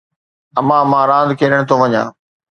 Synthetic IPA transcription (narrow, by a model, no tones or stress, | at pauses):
ɐmãːmãːɾãːnd̪kʰeːɾəɽ̃t̪õʋɐɲã̰ː